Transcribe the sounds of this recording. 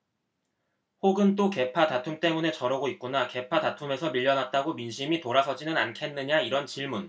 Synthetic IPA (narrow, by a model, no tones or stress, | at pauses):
hoɡɯnt͈oke̞pʰatatʰumt͈e̞mune̞t͡ɕʌɾʌɡoit̚k͈unake̞pʰatatʰume̞sʰʌmiʎːʌnat̚t͈aɡominɕʰimitoɾasʰʌd͡ʑinɯnankʰe̞nːɯɲaiɾʌnt͡ɕiɭmun